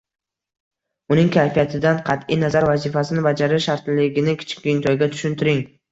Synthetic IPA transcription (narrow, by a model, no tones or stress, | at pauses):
ʊnɪŋkʲʰajfijat̪ʰɪd̪anqʰɑt̪ijnazaɾvazɪfasɪnɪbad͡ʒaɾɪʃaɾt̪lɪɡʲɪnɪkʲʰɪ̥t͡ʃʰɪ̥kʲɪnt̪ʰɒjɡʲat̪ʰʊ̥ʃʊnt̪ʰɪɾɪŋ